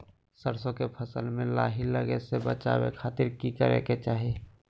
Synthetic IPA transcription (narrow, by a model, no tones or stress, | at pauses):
səɾsõkepʰəsəlmẽlaːɦiləɡesebət͡ʃa̰ːwḛkʰaːt̪iɾkikəɾḛket͡ʃaːɦi